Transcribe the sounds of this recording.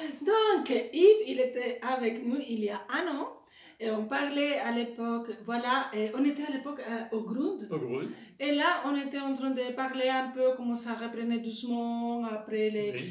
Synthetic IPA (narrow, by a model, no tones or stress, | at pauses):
d̪ɔ̃kipilet̪ɛavɛknuiliaanɔ̃ | eɔ̃paʁlɛalepɔkvwalaeɔ̃net̪ɛalepɔkoɡʁũd̪ | elaʔɔ̃net̪ɛɑ̃t̪ʁɛ̃d̪əpaʁleɛ̃pøkɔmɑ̃saʁəpχənɛd̪usmɑ̃apχɛle